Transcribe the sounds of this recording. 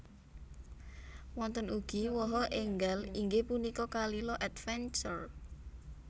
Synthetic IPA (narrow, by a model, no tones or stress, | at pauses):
wɔnt̪ənuɡ̥i̤wɔɦɔʔeŋɡaliŋɡepunikɔkalilɔʔɛd̪fɛnt͡ʃər